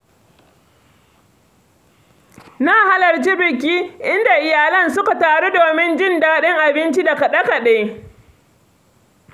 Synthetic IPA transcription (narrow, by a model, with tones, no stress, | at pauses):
naː˦ha˦lɐ˨rt͡ʃi˦bɪ˨kʲiː˦ʔɪ˦nda˨ʔɪ˨jaː˨lɐ˦˨nsʊ˦ka˨taː˨ɽe˦doː˨mɪ˦nd͡ʒɪ˦˨ndaː˦ɗɪ˦ŋʔa˨bɪ˦nt͡ʃi˦da˨kɐ˨ɗɐ˦ka˨ɗe˦